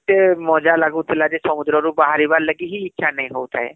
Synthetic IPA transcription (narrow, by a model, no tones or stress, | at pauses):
t̪emɔd͡ʒalaɡut̪ʰɪlad͡ʒesɔmʊd̪ɾɔɾupbaɦaɾiʋaɾləɡiɦiːtːʃʰanəĩɦout̪ʰa̰ɦḛ